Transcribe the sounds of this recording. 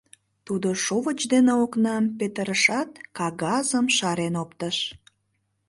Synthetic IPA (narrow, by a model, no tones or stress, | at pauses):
t̪ud̪oʃoβət͡ɕd̪eneoknɑmpet̪əɾəʃɑt̪kɑɣɑzəmʃɑɾenopt̪əʃ